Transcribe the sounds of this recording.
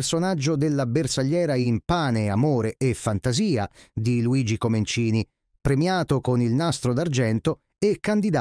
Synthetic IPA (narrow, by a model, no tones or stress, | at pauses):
rsonad͡ʒːod̪elːabersaʎːɛːɾaimpaːneamoːɾeʔefːant̪aziːad̪iluiːd͡ʒikoment͡ʃiːni | pɾemjaːt̪okonilnast̪ɾod̪ard͡ʒɛnt̪o | ekːand̪id̪a